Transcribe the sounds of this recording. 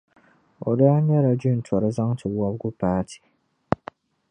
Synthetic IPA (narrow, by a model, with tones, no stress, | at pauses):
ɔ̰˨da˦ɲɛ˦ɾa˨d͡ʒu˦n˨tʰɔ˨ɾɪ˦za˦ŋtʰɪ˨˦a˦bɡʊ˦paː˦tʰi̥˨